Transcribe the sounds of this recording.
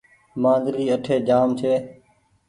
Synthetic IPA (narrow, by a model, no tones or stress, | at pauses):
mãːnd̪ɾiːəʈʰeːd͡ʒaːmt͡ʃʰeː